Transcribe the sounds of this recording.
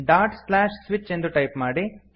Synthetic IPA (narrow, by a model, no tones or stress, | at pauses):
ɖaːɾʈslaːʂsʋit͡ʃːe̞nd̪uʈɐjpmaːɽi